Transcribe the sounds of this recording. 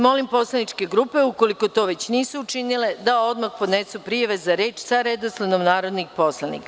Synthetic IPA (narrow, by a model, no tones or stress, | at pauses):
mo̞limpo̞slˠanit͡ʃke̞ɡɾuːpe̞uko̞liko̞t̪o̞ʋe̞t͡ɕniːsuːt͡ʃinile̞d̪ao̞d̪maxpod̪nesupɾijaʋezaɾe̞ːt͡ʃsaɾed̪oslˠanomnaːɾo̞d̪nixpo̞slanḭka